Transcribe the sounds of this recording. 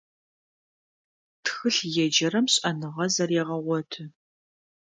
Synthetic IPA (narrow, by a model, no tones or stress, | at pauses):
txɨɬjɛd͡ʒɐɾɐmɕʼɐnɨʁɐzɐrjɛʁɐʁʷɔtʰɨ